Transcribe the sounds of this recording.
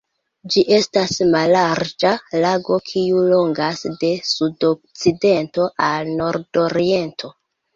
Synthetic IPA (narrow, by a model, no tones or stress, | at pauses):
d͡ʒiʔe̞stasmalaɾd͡ʒalaɡo̞kʰiulo̞ŋɡasde̞sudok̚t͡side̞nto̞ʔalno̞ɾdo̞ɾie̞ntʰo̞